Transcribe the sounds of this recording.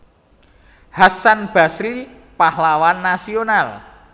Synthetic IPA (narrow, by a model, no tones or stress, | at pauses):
hasanb̥a̤sɾi | pahlawanːasional